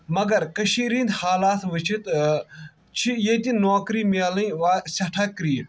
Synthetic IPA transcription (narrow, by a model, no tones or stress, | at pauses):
mɐɡɐɾkɐʃiːɾĩːnd̪haːlaːt̪ʰʋɪt͡ʃʰit̪ | t͡ʃʰijeːt̪inoːkɾiːmaːlɐ̃ʋaːsʲɐʈʰɐkɾiː